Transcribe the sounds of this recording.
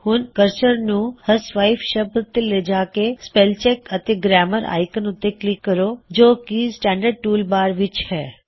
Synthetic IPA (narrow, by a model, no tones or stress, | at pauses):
hũnkəɾt͡ʃəɾnũhəsʋaifʃəbɾt̪eled͡ʒakespelt͡ʃekət̪eɡɾɛməɾa̰jkənũt̪eklikːəɾod͡ʒokisʈɛ̃ɳɖəɖ̚ʈuːlbaːɾʋɪt͡ʃʰhɛ